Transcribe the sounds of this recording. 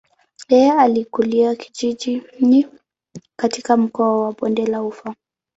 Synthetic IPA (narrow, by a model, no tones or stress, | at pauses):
jɛɛalikuliaki̥ʄiʄini | katikam̩kɔawaɓɔndɛlaufa